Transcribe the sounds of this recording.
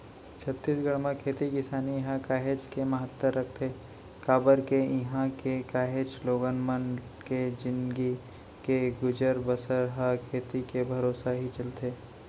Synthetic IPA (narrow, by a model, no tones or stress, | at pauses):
t͡ʃʰɐt̪ːiːsɡəɽmãkʰeːt̪ikɪsaːniɦãkaːɦeːd͡ʒkemɐɦət̪ːəɾːɐk̚ʰt̪ʰeː | kaːbəɾkeɪɦãkekaːɦeːd͡ʒloːɡənmən | ked͡ʒɪ̃nɡi | keɡʊd͡ʒəɾbəsəɾɦakʰeːt̪ikebʱɐɾoːsaɦit͡ʃɐlt̪eː